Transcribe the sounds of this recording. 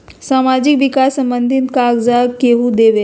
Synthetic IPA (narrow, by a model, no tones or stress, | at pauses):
samad͡ʑikʋikasːəmbənd̪ʱinkaɡd͡zakeɦud̪eʋe